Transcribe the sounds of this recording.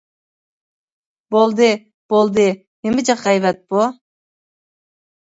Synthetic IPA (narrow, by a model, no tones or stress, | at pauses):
bolˠd̪ɨ | b̥olˠd̪ɨ | memɪd͡ʒɑqɑjvɛt̪̚pu